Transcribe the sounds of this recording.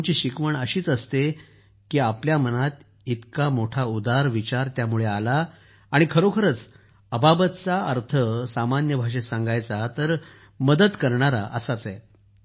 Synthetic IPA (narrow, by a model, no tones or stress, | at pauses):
t͡ɕiɕikʋəɳəɕiːt͡səst̪e | kiːapljamənat̪ | it̪kamoʈʰaud̪aɾʋit͡ɕaɾt̪jamuɭealaː | ɽ̃ikʰəɾokʰəɾət͡s | əbabət̪t͡saəɾt̪ʰəsamanjəbʱaʂesãŋɡajt͡sat̪əɾ | məd̪əd̪kəɾɳaɾa̰ʔə̰sat͡sɛ